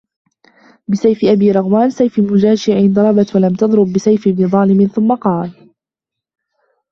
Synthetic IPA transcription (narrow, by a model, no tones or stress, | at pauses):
bɪsajfɪʔabiːɾˤɑɣmaːnsajfɪmʊd͡ʒaːʃɪʕɪnd̪ˤɑɾˤɑbat̪walamt̪ɑðˤɾʊbːɪsajfɪbnɪðˤɑːlɪmɪnθʊmːaqɑːl